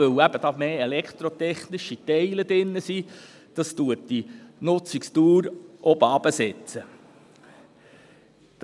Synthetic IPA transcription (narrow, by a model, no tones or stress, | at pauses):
ɵwæb̥əd̥ɑːmeːelɛkt̪ɾɔt̪ɛχnɪʃitɛɪləd̥ɪnːəsi | d̥ɑstuətd̥inʊt͡sikst̪uːɾʔɔbəɑb̥əsɛt͡sə